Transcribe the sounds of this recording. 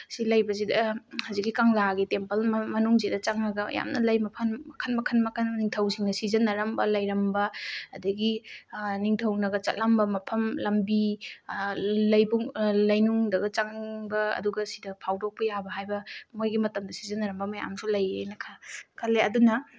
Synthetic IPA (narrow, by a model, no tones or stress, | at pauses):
silɐjbɐz̬idɐhawzik̬ːikaŋlaɡitempɐlmmɐnuŋzidɐt͡ʃaŋnɐɡɐ̰ja̰mnɐlɐjmɐpʰɐnmɐkʰɐnmɐkʰɐnmɐkʰɐnniŋtʰɐwsiŋnɐsizɐnːɐɾɐmbɐlɐjɾɐmbɐːdɐɡiniŋtʰɐwnɐɡɐt͡ʃɐ̰tlambɐmɐpʰɐmlɐmbi | lɐjbuŋlɐjnuŋdɐɡɐt͡ʃaŋniŋbɐɐ̰duɡɐsidɐpʰawdok̚pɐjabɐɦajbɐmojɡimɐtɐmdɐsi̥zɐnɐɾɐmbɐmaja̰msulɐjnɐkʰakʰaleɐdunɐ